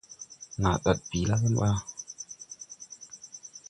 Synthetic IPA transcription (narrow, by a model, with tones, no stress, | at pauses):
ŋa̰˨ɗa˨t̚bi˨la˦kə˦mɓa˦